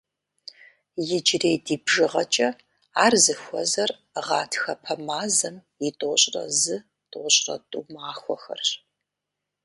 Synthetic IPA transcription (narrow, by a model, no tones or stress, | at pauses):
jɪd͡ʒreːjdiːbʒɨʁɐt͡ʃʼɐ | aːrzɨxʷɔzɐr | ʁɑːtʰxɐpʰɐmaːzɐmjɪtʼoːɕʼrɐ̰zɨ | tʼoɕʼrɐ̰tʼuːmaːxʷɔ̰xɐ̰rɕ